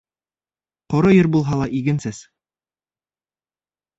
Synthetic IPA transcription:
qŏɾɤjɘɾbulˠɦɑlˠɑʔiɡɘ̆nsɘs

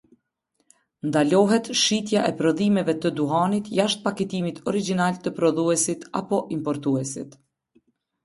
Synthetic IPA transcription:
nd̪alɔɦɛt̪ʃit̪̬jaʔɛpɾɔðimɛvɛt̪əd̪uɦanit̪jaʃt̪̚pakɛt̪imit̪ʰɔɾid͡ʒinalt̪əpɾɔðuɛsit̪a̰pɔʔimpɔɾt̪uɛsḭt̪

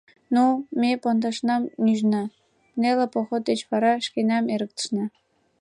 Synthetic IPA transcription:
numʲepond̪ɑʃnɑmnʲyʒnɘ̆ | mnʲelʲĕpoχot̪ːet͡ɕpɑɾɑʃkʲenʲɑmeɾə̆k̚t̪ə̥̆ʃnɘ̆

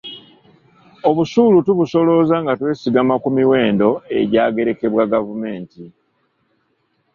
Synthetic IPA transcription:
o̞βuʃuːlutuβuso̞lo̞zaŋɡatwe̞ːsiɡamakumiwe̞ːndo̞e̞̰ɟaːɡe̞ɾe̞ke̞βwaɡavume̞ːnti

